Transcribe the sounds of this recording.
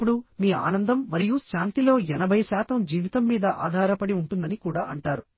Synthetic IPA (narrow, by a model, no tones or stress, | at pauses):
pːuɽumiːa̰ːnɐnd̪ɐmːɐɾijuʃaːnt̪ilo̞ːɛnɐbʱɐjɐsaːt̪ɐmd͡ʒiːʋit̪ɐmːiːd̪ɐʔa̰ːd̪ʱaːɾɐpɐɽiuɳʈund̪ɐnikuːɽaːɐɳʈaːɾu